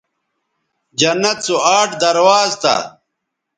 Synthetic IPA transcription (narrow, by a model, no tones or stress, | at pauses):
d͡ʑɐnːɐt̪̚suaːʈd̪ɐɾwaːzt̪a̰